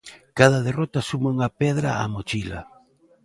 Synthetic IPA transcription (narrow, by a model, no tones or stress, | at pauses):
kað̞ɐðerɔt̪asumauŋapɛðɾaamot͡ʃila̰